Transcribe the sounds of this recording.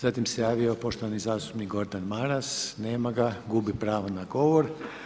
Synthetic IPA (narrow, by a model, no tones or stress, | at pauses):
z̥at̪imsejaːʋio̞po̞ʃt̪oʋanizaːst̪u̥pnikɡo̞ɾd̪anmaɾasneːmaɡaɡubipɾaːʋonaɡo̞ʋoɾ